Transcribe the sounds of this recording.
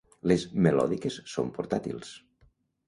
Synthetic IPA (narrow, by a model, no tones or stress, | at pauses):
lezmelɔ̰ðikesːo̰mpoɾt̪at̪ḭlˠs